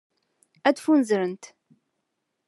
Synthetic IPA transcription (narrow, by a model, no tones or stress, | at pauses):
æd̪funzɾənt̪